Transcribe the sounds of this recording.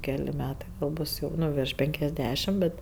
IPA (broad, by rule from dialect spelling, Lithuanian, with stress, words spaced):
ˈkʲæːlʲɪ ˈmʲæːtɐɪ ʋɐ ˈbʊs jɛʊ ˈnʊ ʋʲɪrʃ ˈpʲɛŋʲkʲɛzʲˌdʲæːʃʲɪm ˈbʲɛt